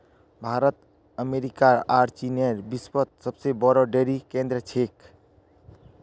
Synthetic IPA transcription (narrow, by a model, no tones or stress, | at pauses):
bʱaɾət̪ | əmeɾikaɾaɾt͡ʃineɾbispət̪̚səbsebɔɾɔɖeɾikẽnd̪ɾət͡ʃʰek